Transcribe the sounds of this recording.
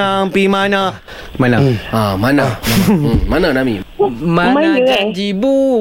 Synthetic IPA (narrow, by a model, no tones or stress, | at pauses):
aŋpimana | manaamanamamananamimaaad͡ʒibu